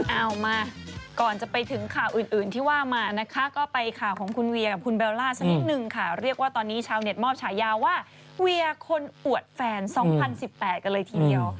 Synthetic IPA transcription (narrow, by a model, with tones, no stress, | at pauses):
ʔa˧˥˩wmaː˧˩kɔː˨˩nt͡ɕa˨˩pa˧jt̪ʰɯ˩˦ŋkʰaː˨˩wʔɯː˨˩nʔɯː˨˩nt̪ʰiː˥˩waː˥˩maː˧na˦˥kʰa˦˥kɔː˥˩pa˧jkʰaː˨˩wkʰɔː˩˦ŋkʰu˧nwi˧ɐka˨˩p̚kʰu˧nbeː˧wlaː˥˩t͡ɕʰa˧ni˦t̪̚nɯ˨˩ŋkʰa˥˩ɾi˥˩ək̚waː˥˩t̪ɔː˧nːiː˦˥t͡ɕʰaː˧wne˨˩t̪̚mɔː˥˩p̚t͡ɕʰaː˩˦jaː˧wwaː˥˩ | wi˧ɐkʰo˧nʔu˨˩ət̪̚fɛː˧nsɔː˩˦ŋpʰa˧nsi˨˩pːɛː˨˩t̪̚ka˧nlɤː˧jt̪ʰiː˧di˧əw